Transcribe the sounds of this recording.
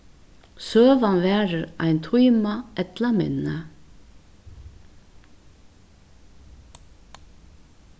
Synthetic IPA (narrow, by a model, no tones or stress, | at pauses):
søːʋanvɛːɾəɾa̰jnt̪ʰujmaɛt̪lamɪ̰nːə